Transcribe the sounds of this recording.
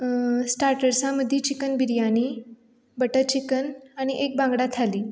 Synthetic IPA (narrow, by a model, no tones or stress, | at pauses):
sʈaɾʈəɾsãməd̪ʱːit͡ɕikənbiɾjañi | bəʈət͡ɕikənaɽ̃iʔek̚bãŋɡɽat̪ʰaliː